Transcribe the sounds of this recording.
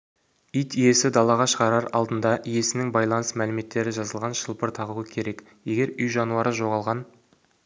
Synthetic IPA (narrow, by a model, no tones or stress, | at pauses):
ijt̪ije̞sɪd̪ɑlˠɑʁɑʃəʁɑɾɑɾɑ̰lˠd̪ənd̪ɑʔije̞sɪnɪŋbɑjlˠɑnəsmælɪme̞t̪ːe̞ɾɪʒɑzəlˠʁɑnʃəlˠpəɾt̪ʰɑʁuwəkʲʰe̞ɾe̞k | je̞ɡʲe̞ɾʏjʒɑnuɑɾəʒo̞ʁɑlˠʁɑn